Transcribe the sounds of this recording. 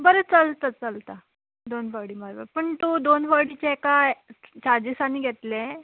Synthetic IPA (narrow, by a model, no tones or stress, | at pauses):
bəɾət͡səlt̪at͡səlt̪a | d̪onfaɽiːmaɾbə̰ɾpəɳt̪ud̪onfaɽit͡ɕekat͡ɕad͡ʑisaniːɡʱet̪le